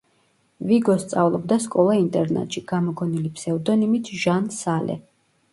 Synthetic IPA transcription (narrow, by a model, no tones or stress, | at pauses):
viɡɔst̪sʼavlˠɔbd̪askʼɔlˠaint̪ʼɛɾna̰t̪ʼʃiɡ̥amɔɡɔnilipʰsɛvd̪ɔnimit̪ʰʒansalʔɛ̰